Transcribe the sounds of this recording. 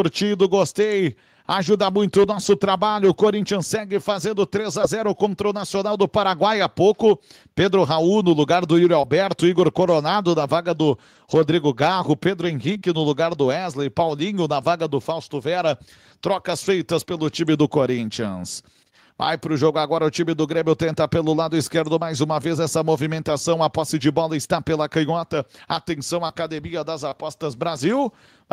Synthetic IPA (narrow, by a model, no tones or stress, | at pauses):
ʊɾt͡ʃid̪ʊɡost̪ej | aʒud̪ɐmũj̃t̪ʊʊnɔsʊt̪ɾabaʎʊːkoɾĩnt͡ʃiɐ̃sːɛɡɪfazẽnd̪ʊt̪ɾezazɛɾʊkõnt̪ɾʊnasionawd̪ʊpaɾaɡwajapowkʊ | ped̪ɾʊɦaunʊlʊɡaɾd̪ʊiɾawbɛɾt̪ʊiɡoɾkoɾonad̪ʊnɐvaɡɐd̪ʊ | hod̪ɾiɡʊɡahʊped̪ɾʊẽɦikɪnʊlʊɡaɾd̪ʊɛzlejpawlĩɲʊnɐvaɡɐd̪ʊfawst̪ʊvɛɾɐ | t̪ɾɔkɐsfejt̪ɐspelʊt͡ʃimɪd̪ʊkoɾĩnt͡ʃiɐ̃s | va̰jpɾʊʒoɡʊaɡɔɾɐʊt͡ʃimɪd̪ʊɡɾẽmjʊt̪ẽnt̪apelʊlad̪ʊɪskeɾd̪ʊmajzũmɐvezɛsɐmovimẽnt̪asɐ̃w̃ɐpɔsɪd͡ʒɪbɔlɐɪst̪apelɐkɐ̃ɲɔt̪ɐat̪ẽsɐ̃w̃aːkad̪emiɐd̪ɐzapɔst̪ɐzbɾaziw